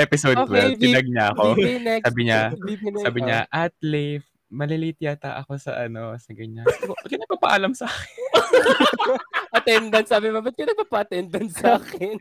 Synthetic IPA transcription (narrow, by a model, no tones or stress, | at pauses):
ʔɛpɪsod̪kojd̪ɪɐɡ̚ɲaɐkonɛaːbɪɲaisaːbɪɲaʔat̪̚lif | mɐlɪlit̪ɪjat̪ɐʔɐko̞sɐ̰ʔɐno̞sɐɡɐɲabɐt̪̚kɐnɐɡ̚papɐ̰ʔalɐmsɐʔaːkɪn | ʔɐt̪ɛnd̪ɐnsaːbɪmɐbɐt̪̚konɐɡ̚papɐʔɐt̪ɛnd̪ɐnsaːkɪn